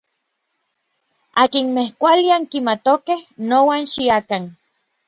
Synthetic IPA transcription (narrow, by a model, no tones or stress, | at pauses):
akinmehkʷaliaŋkimat̪okehnowanʃiakan